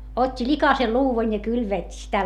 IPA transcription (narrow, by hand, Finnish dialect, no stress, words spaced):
otʲːi likɑse luːʋɑn jɑ kylʋeˑtʲːi sitæ